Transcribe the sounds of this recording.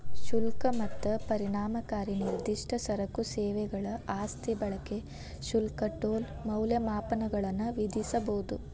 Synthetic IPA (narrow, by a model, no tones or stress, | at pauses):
ʃulkɐmɐt̪ːɐpɐɾiɳaːmɐkaːɾiniɾd̪iʂʈɐsɐɾɐkuseːʋɛɡɐɭɐaːst̪ʰibɐɭɐke | ʃulkɐʈoːl | mɐwljɐmaːpɐnɐɡɐɭɐnːuʋid̪isɐbɐwud̪u